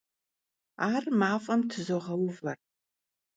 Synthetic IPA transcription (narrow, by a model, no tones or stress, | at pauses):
aːrmaːfʼɐmtʰɨzoʁɐwʊvɐr